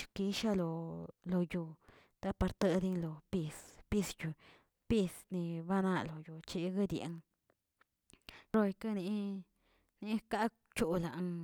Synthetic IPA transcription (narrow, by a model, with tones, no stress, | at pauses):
ki˧ʃa˦lo˧lo˧ju˧ | t̪a˧pa˧ɾt̪a˦˧d̪i˧ŋlo˨pi˧spi˧sju˧ | pi˧sni˧ba˦na˧lo˨jo˧t͡ʃi˧ɡa˦d̪jḛ˨˧ŋ | ɾo˧jka˦ni˧ | ni˧˦ka˦ | t͡ʃu˧la˨ʔŋ